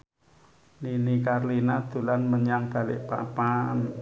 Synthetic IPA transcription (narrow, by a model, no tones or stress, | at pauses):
ninikarlinad̪̥ṳlanməɲaŋd̪̥a̤lɪ̰ʔpa̰pan